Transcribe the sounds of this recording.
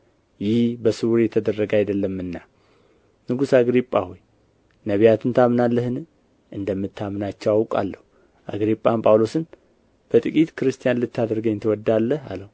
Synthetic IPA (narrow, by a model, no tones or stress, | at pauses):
jɪhbəsɨwuɾjɛt̪ʰəd̪ərːəɡajd̪əlːəmːɨnːa | nɨɡusaɡɾipʼːahoj | nəβijat̪ʰɨnt̪ʰamnalːəhɨnɨ | ʔɨnd̪əmːɨt̪ʰːamɨnat͡ʃːɛwawkʼa̰lːəhu | ʔa̰ɡɾipʼːampʼawlo̞sɨn | b̥ət̪ʼɨkʼit̪kʰɨɾɨst̪ʰijanlɨt̪ːad̪ɾɡəɲːt̪ʰəwɔd̪ːalːəha̰ləhu